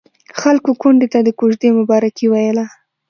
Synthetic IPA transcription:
xalkokʊɳɖet̪ad̪əkoʒd̪emʊbɑɾakiwajəla

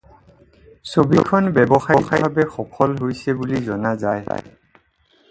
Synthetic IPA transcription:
sobikʰɔnbɛbɔxaixaabɛxɔkʰɔlɦojsɛbulizɔnazaj

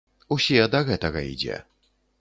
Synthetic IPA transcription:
usʲid̪ɐɣɛt̪ɐɣɐḭd͡zʲɛ̰

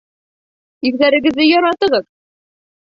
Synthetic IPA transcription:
iɣðæɾɘ̆ɡɘ̆ðːɘjɒɾɑt̪ɤ̆ʁɤð

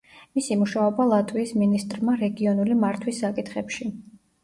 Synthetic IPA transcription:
misimuʃaɔbalˠat̪ʰʼwiːsminist̪ʼɾmaɾɛɡiɔnulimaɾt̪ʰwisːakʼit̪ʰχɛpʃi

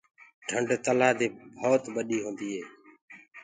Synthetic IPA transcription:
ɖʰʱəɳɖt̪əlaːd̪eːbʱoːt̪ɓəɗiːɦõːnd̪iːɦeː

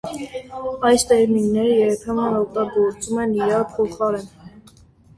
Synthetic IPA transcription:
ɑjst̪ɛɾminːɛɾəjɛɾpʰɛmənɔk̚t̪ɑɡɔɾt͡sumɛniɾɑɾpʰɔχɑɾɛn

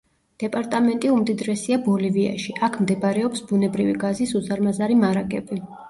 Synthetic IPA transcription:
d̪̥ɛpʼaɾt̪ʼamɛnt̪ʼiumd̪id̪ɾɛsiabɔlivia̰ʃiʔakʰmd̪ɛbaɾɛɔpsbunɛbɾiviɡazisuzaɾmazaɾimaɾakʼɛbi

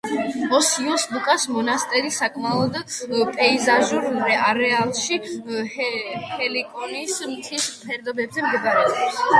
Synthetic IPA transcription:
ɔsiɔsbukʼasmɔnast̪ʼɛɾisakʼmaɔd̪pʼɛizaʒuɾmɾɛʔaɾɛalˠʃihhɛlikʼɔnismt̪sʰispʰɛɾd̪ɔbɛbzɛmɡɛɡaɾɛɔps

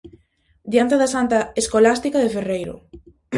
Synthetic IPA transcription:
d̪jant̪eðasant̪ɐeskolast̪ikaðeferejɾʊ̰

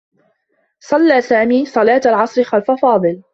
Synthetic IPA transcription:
sˤɑlːaːsaːmiːsˤɑlaːt̪alʕɑsˤɾɪxalfafɑːd̪ˤɨl

